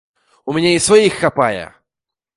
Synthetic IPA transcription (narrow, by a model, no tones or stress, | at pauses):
ʊmʲɪnʲeɪsvɐixːɐpajə̰